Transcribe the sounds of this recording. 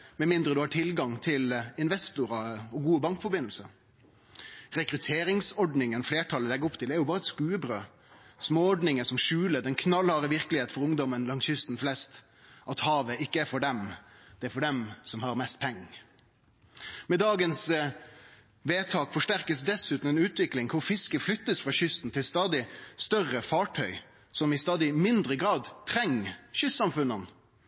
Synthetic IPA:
mɛmɪnd̪ɾəd̪ʉhɑːʈʰɪlɡɑŋt̪ʰɪlɪnʋɛst̪ʊɾɑɔɡuːəbɑŋkfɔɾbɪnl̩səɾ | ɾɛkɾʉt̪ʰeːɾɪŋsɔɖnɪŋənfleːʈʰɑlːəlɛɡːɾɔpt̪ʰɪlɛæɾjʊbɑːɾəɛt̪skʉːəbɾøː | smoːɔɖnɪŋəsɔmʃʉːləd̪ɛnkʰnɑlhɑːɾəʋɪʁkəlɪheːt̪̩fɔɾʊŋd̪ɔmənlɑŋsʏst̪nflɛst̪ | ʔɑt̪hɑːʋəɪkːəæɾfɔɖɛmd̪̥ɛæɾfɔɖɛmsɔmhɑʁmɛst̪̚pʰɛŋː | mɛd̪ɑːɡəns | ʋeːt̪ʰɑːkfɔʂʈæɾkəsd̪ɛsʉːt̪n̩ɛnʉːt̪ʋɪklɪŋkʰʊʁfɪskəflʏt̪ːəsfʁɑːɕʏst̪n̩t̪ʰɪlst̪ɑːd̪ɪst̪œrəfɑːʈʰœʏ | sɔmɪst̪ɑːd̪ɪmɪnd̪ɾəɡɾɑːd̪t̪ʰɾɛŋːɕʏst̪ːsɑmfʉnːɑn

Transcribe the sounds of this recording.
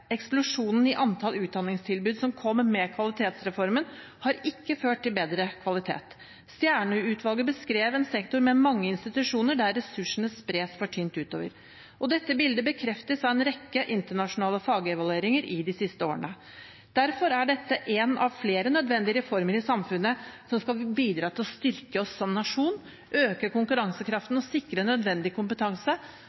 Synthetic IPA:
ɛksplʊʂuːnn̩ɪʔɑnt̪ʰɑlʉːt̪̚d̪ɑnːɪŋst̪ʰɪlbʉːd̪sɔmkʰɔmːmɛkʰʋɑlɪt̪ʰeːt̪sɾɛfɔɾmən | hɑɾɪkːəføːʈ̚t̪ɪlbeːd̪ɾəkʰʋɑlɪt̪ʰḛːt̪ | st̪jæːɳʉʉːt̪ʰʋɑlɡəbəskɾeːʋɛnsɛkt̪ʊɾmɛmɑŋːəɪnst̪ɪt̪ʉʂuːnəɖæɾːɛsʉʂɳ̩əspɾeːsfɔʈʰyːnt̪ʉːt̪o̰ːʋə̰ɾ | ʔɔd̪ɛt̪ːəbɪld̪əbəkʰɾɛft̪əsɑʋɛːnɾɛkːəʔɪnt̪əɳɑʂʊnɑːləfɑːɡəɛʋɑlʉeːɾɪŋəɾʔɪd̪ɪsɪst̪əoːəɳə | d̪̥æɾfɔɾæɖɛt̪ːəʔɛnɑ̰ʋfleːɾənœd̪ʋɛnd̪ɪəɾɛfɔɾməɾɪsɑmfʉnːəsɔmskɑbiːd̪ɾɑːt̪ʰɪlɔst̪ʏɾkəɔsːɔmnɑʂuːn | ʔøːkəkʊŋkʉɾɑŋsəkʰɾɑft̪n̩ɔsɪkɾənːœd̪ʋɛnd̪ɪkʰʊmpət̪ʰɑŋsə

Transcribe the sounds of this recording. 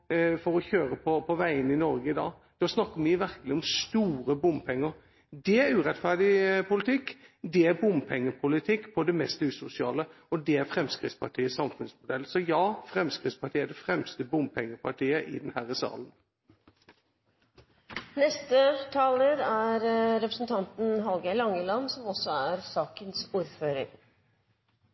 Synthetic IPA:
fɔɾɔçøːɾəpʰɔpʰɔʋæɪənɪnɔɾɡəɪd̪ɑ̰ː | d̪̥oːsnɑkːəɾmɪʋæɾkəlɪɔmst̪uːɾəbʊmpʰɛŋːəɾ | d̪ɛæɾʉːɾɛt̪fæʁɖ̪ɪpʰʊlɪt̪ʰɪkːd̪ɛæɾbʊmpʰɛŋːəpʰʊlɪt̪ʰɪkːpʰɔd̪ɛmɛst̪ʉːsʊsɪɑ̰ːlə | ɔd̪ɛæɾfɾɛmskʁɪ̰t̪spɑʈʰiːəsɑmfʉnsmʊd̪ɛlːsɔjɑːfɾɛmskʁɪt̪spʰɑʈʰiːəɖɛfɾɛmst̪əbʊmpʰɛŋːəpʰɑʈʰiːəʔɪ̰d̪ɛnhæɾəsɑ̰ːlən | nɛst̪ət̪ʰɑːləɾæɾɾɛpɾəsn̩t̪ʰɑnt̪n̩ɦɑlɡæɪlɑŋəlɑnsɔmɔsːɔæɾsɑːkənsuːɾføːɾə̰ŋ

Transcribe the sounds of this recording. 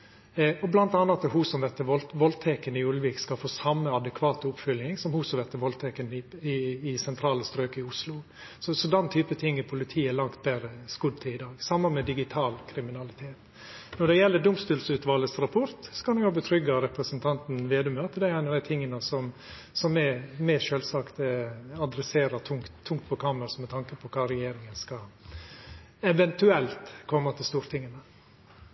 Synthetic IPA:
ɔblɑnt̪ɑnːɑt̪əɦuːsɔmʋɛt̪ːəʋɔlʋɔlt̪ʰɛkənəɪʉləʋiːkskɑlfoːsɑmːəɑd̪əkʰʋɑːt̪ʊpfʏlɪŋsɔmhuːsɔʋɛt̪ːəʋɔlt̪ʰɛkənɪɪːsɛnt̪ʰɾɑːləst̪ɾøːkəɪʊslʊ | sɔsɔd̪ɛnt̪ʰyːpət̪ʰɪŋːɪpʰʊlɪt̪ʰiːɛlɑŋt̪bæɾəskʉd̪̚t̪ʰɪlɪd̪ɑːɡsɑmːɑnmɛd̪ɪɡɪt̪ʰɑːlkʰɾɪmɪnɑlɪt̪ʰeːt̪ | nɔɖɛjɛlːəɖʊmst̪ʉːlsʉːt̪ʋɑːləsɾɑpʰɔɾt̪sɔ̥kɑnɛɡhɑːbət̪ʰɾʏɡɑɾɛpɾəsənt̪ʰɑnt̪n̩ʋeːd̪ʉmøːt̪əd̪ɛæɪnɑd̪æɪt̪ʰɪŋːənəsɔm | sɔmːɛmɛʃøːlsɑkt̪ɑd̪ɾɛseːɾəɾt̪ʰʊŋkt̪ʰːʊŋkt̪̚pʰɔkʰɑːməɾsɔmɛt̪ʰɑŋkəpʰɔkʰɑɾɛjeːɾɪŋənskɑ | ɛʋɛnt̪ʉɛlt̪kʰɔmːɑt̪ʰɪlst̪uːɾt̪ʰɪŋːənə

